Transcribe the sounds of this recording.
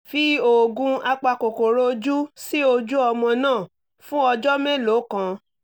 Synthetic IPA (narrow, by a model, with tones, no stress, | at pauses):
fi˦o˨ɡũ˧a˧k͡pa˧ko˨ko˨ɾo˦d͡ʒu˦si˦o˧d͡ʒu˦ɔ˧mɔ̃˧nãː˦˨ | fũ˦ɔ˧d͡ʒɔ˦me˦lo˨˦kã˧